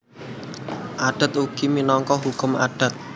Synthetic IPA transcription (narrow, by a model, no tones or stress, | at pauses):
ʔaɖ̥a̤t̪uɡ̥iminɔŋkɔɦukʊmaɖ̥a̤t̪̚